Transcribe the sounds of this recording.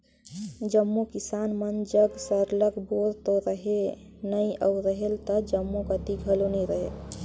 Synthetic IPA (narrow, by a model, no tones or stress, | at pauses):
d͡ʒəmːukisanmənd͡ʒəɡsəɾləkboɾt̪oɾəɦe | nəiə̰ʊɾəɦelt̪əd͡ʒəmːokət̪iɡʱəlonəɾəɦḛ